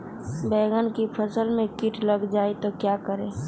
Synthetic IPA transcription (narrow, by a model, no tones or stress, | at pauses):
bɛːɡənkipʰəsəlmẽkɪʈləɡd͡ʒaːet̪okjakəɾẽː